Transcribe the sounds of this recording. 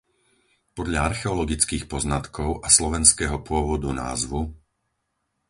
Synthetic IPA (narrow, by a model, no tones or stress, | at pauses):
pɔd̪ʎaaɾxɛɔlɔɡit͡skiːxpɔznat̪kʰɔʊʔaslɔʋɛnskɛːɦɔpʊɔʋɔd̪una̰ːzʋu